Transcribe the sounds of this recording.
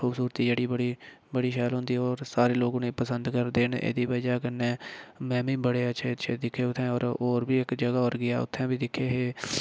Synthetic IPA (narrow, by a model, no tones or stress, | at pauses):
xʰuːbsuːɾət̪iːd͡ʒeːɽiːbəɽiːbəɽiːʃɛːlɦʊ̃nd̪iːɔːɾsaːɾeːloːɡʊneːpəsənd̪kəɾd̪eːnḛːd̪iːbəd͡ʒaːkənːɛ̃ːmɛ̃ːbĩːbəɽeːəʃʰeːəʃʰeːd̪ɪkʰːeːʊt̪ʰːɛ̃ːɔːɾoːɾbiːɪkd͡ʒəɡaːɔːɾɡɪaːʊ̰t̪ʰːɛ̃ːbiːd̪ɪkʰːeːɦeː